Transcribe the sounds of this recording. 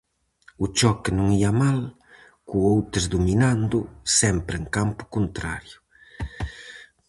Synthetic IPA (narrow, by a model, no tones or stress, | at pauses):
ut͡ʃɔkenuŋiamal | kuowt̪ɾezd̪uminand̪ʊsɛmpɾeŋkampʊ̥kunt̪ɾa̰ɾjʊ